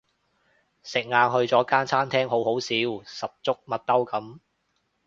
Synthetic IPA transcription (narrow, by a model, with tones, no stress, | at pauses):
sɪ˨k̚ŋaː˨˧nhɵ˧ɥt͡sɔː˨˥kaː˥nt͡sʰaː˥nt̪ʰɛː˥ŋɦo˨˥who˨˥wsiː˨˥wsɐ˨p̚t͡sʊ˥k̚mɐ˨t̚t̪ːɐ˥wkɐ˨˥m